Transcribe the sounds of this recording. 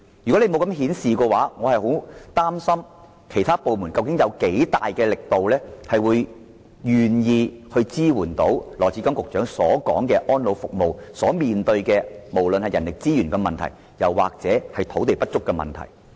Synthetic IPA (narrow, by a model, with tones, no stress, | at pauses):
jy˨kɔ˨˥le˧mo˨˧wkɐ˨˥mɦiː˨˥nsiː˨kɔː˧waː˨˥ŋɔː˨˧hɐ˨jho˨˥wt̪aː˥msɐ˥m | kʰe˨˩jt̪ʰaː˥po˨wmu˨˩nkɐ˧wkɪ˨˥ŋjɐ˨˧wke˨˥jt̪aː˨jkɛː˧lɪ˨k̚t̪o˨wlɛː˥hɐ˨jwuː˨˧j | jyː˨njiː˧hɵ˧ɥt͡siː˥wuː˨˩nt̪o˨˥wlɔː˨˩t͡sʰiː˨˥kɐ˥ŋkʊ˨k̚t͡ʃœː˨˥ŋsɔː˨˥kɔ̰ː˨˥ŋkɛː˧ʔɔː˥nlo˨˧wfʊ˨k̚mo˨wsɔː˨˥miː˨nt̪ɵ˧ɥkɛː˧mo˨˩wlɵ˨nhɐ˨jɐ˨˩nlɪ˨k̚t͡siː˥jyː˨˩nkɛ˧mɐ˨nt̪ʰɐ̰˨˩j | jɐ˨˩wwa̰ː˨k̚t͡sɛː˨˥hɐ˨jt̪ʰo˨˥wt̪e˨jpɐ˥t̚t͡sʊ˥kːɛː˧mɐ̰˨˩nt̪ʰɐ̰˨˩j